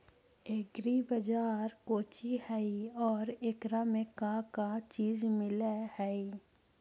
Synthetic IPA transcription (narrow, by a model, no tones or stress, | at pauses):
eːɡɾibɐd͡ʒaːɾkoːt͡ʃihɛiɔːɾeːkɾamẽkakat͡ʃiːzmɪlehɛi